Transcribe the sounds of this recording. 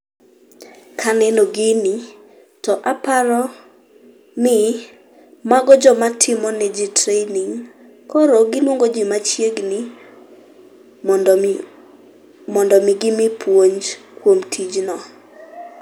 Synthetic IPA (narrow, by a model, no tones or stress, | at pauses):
kʰanɛnoɡɪni | tɔʔapaɾɔ | nɪ | maɡɔd͡ʒɔmatʰɪmɔnɛd͡ʒitɾeniŋ | kɔɾoɡɪlwoŋɡod͡ʒɪmat͡ʃjeɡnɪ | mɔndɔmɪɡɪmɪpʰwoɲd͡ʒkwomtʰid͡ʒnɔ